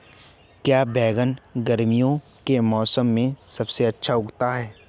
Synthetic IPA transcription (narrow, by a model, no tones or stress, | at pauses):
kjaːbɛːɡənɡɐɾmijõ | kemɔːsəmːẽsɐbseɐtːʃʰaʊɡt̪aɦɛː